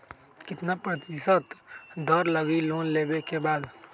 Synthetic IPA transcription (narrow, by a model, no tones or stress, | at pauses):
kɪt̪napɾət̪ɪsət̪d̪ʱɔɾləɡiloːnleːbekebaːd̪